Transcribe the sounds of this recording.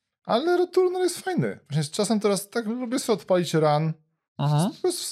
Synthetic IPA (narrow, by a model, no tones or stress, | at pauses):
ʔalɛɾɔt̪uɾnɛɾjɛst̪fajnɘ̰vwaɕɲɛst͡ʂasɛmt̪ɛɾast̪aklubʲjɛsɛɔt̪palʲit͡ɕɾan̩ | pɾɔst̪u